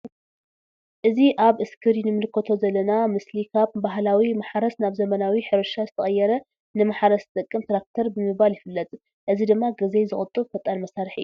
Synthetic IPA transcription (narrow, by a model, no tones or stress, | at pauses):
ʔɨziʔaβʔɨskʰɨɾjɪnɨmɨlɨkʰːɐt̪ʰo̞zɐlːɐnamɨslikʰaβbaɦlawimaħɾɐsnaβzɐmɐnawiħɨɾɨʃazɨt̪ʰɐχʼɐjːɛɾɐ | nɨmaħɾɐst̪ʼɨkʼːɨmt̪ɾak̚t̪ʰɐɾbɨmɨːaljɪfɨlːɐt͡s̪ʼ | ʔɨzid̪ɨmːaɡɐzejzɨχʼɨt̪ʼɨβfɐt̪ʼːanmɐsaɾɨħɨ̰jːu